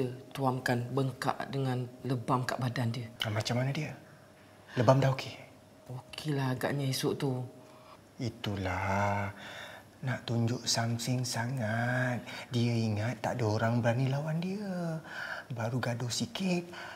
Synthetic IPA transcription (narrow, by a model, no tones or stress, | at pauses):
ət̪uamkanbəŋka̰ʔdəŋanləbamkaʔbadandiəamat͡ʃamːanədiə | ləbamdahokʰe | okʰelahaɡa̰ʔɲəisuʔt̪u | it̪ula | naʔt̪uɲd͡ʒʊʔsamsɪŋsaŋat̪̚diəiŋat̪ːa̰ʔdəoɾaŋbəɾanilawandiə | baɾuɡadohsikɪt̪̚